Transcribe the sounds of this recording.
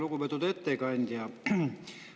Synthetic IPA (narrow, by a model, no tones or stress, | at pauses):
lukuʋet̪ut̪et̪ːeikɑnʲd̪̥jɑ